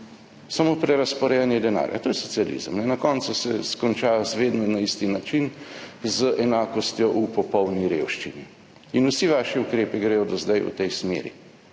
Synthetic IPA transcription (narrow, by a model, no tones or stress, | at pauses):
samopɾɛɾaspɔɾɛjanjɛd̪ɛna̰ːɾja̰t̪oːjɛsɔtsialḭzə̰mnɛnakɔːnt̪susɛskɔnt͡ʃaːjɔzʋeːd̪nɔnaist̪inat͡ʃinzəʔɛnaːkɔst̪jɔʔupɔpɔwniɾeːwʃt͡ʃini | inusiʋaːʃɛukɾeːpiɡɾɛːjɔd̪azd̪ajṵt̪ɛjsmḛːɾḭ